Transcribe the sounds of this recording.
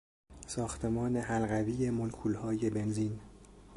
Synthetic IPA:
sɒːxt̪ʰe̞mɒːne̞ɦælɣæviːjemolkʰulhɒːje̞be̞nziːn

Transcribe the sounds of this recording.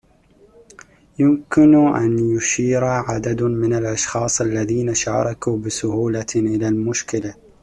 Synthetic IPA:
jʊmkɪnʔanjʊʃiːɾʕad̪ad̪mɪnalʔɑʃxɑːsˤʔalːaðiːnaʃɑ̰ːɾˤɑkuːbɪsʊhuːlaʔɪlaːlmʊʃkɪla

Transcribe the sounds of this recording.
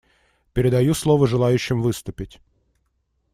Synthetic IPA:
pʲɪɾʲɪd̪ɐjuslˠo̞vəʐɨlˠajʉɕːɪmvɨst̪ʊpʲɪtʲ

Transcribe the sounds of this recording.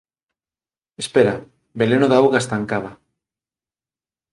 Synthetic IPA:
espeɾa | belenoðaawɣaest̪aŋkaβa

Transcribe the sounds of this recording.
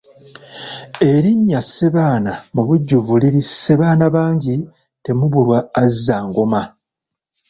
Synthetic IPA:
e̞ɾiɲːasːeβaːnamuβuɟːuvuliɾisːeβaːnaβaːɲɟi | te̞muβulwaːzːaːŋɡo̞ma

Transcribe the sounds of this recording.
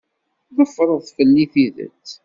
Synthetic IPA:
ðəfːɾˤəðˤθfəlːiθiðə̰t͡sː

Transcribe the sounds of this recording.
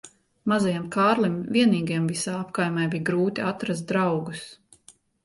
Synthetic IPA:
mazajamkaːɾlˠimvʲiɛniːɡijɛmvisaːapkajmajbijɡɾuːt̪ʲiat̪ɾas̬t̪̚d̪ɾawɡus

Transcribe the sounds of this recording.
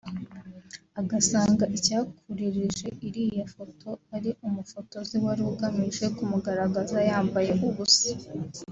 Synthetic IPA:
aɡasaːŋɡaʔicaːkʰuɾiɾiʒe̞ʔiɾiːjafo̞tʰo̞aɾiʔumufo̞to̞ziwaɾuːɡamiʒe̞kumuɡaɾaɡazajaːmbaje̞ʔuβusi̥

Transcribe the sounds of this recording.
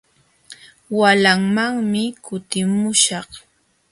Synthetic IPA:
walaŋmaŋmɪkʊt̪ɪmʊʃɑχ

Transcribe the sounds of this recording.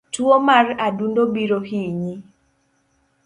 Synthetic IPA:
tuomaradundobiɾohiɲi

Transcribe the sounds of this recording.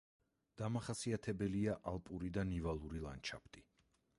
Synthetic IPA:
d̪̥amaχasiat̪ʰɛbɛliaʔalˠpʼuɾid̪anivalˠuɾilˠa̰nt͡ʃʰa̰pʰt̪ʼi

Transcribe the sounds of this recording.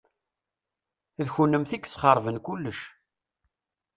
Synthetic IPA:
ðçunːəmθikːsχəɾˤvənkulːəʃ

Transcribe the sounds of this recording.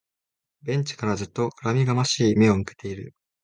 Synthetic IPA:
bẽ̞ɲ̟t͡ɕi̥kaɾazɨt̪ːo̞ɾamʲiɡamaɕiːme̞o̞mɯ̟ke̞̥t̪e̞iɾɯ̟

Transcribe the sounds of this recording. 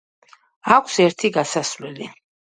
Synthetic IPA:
akʷʰsɛɾt̪ʰiɡasasvlɛli

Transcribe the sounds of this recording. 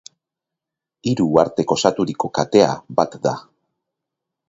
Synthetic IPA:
iɾuaɾt̪e̞ko̞sat̪uɾiko̞kat̪e̞a̰bat̪d̪a

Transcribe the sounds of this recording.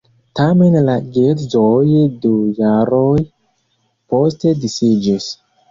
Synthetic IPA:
tame̞nlaɡeɾzojdujaɾoj | po̞ste̞disid͡ʒis

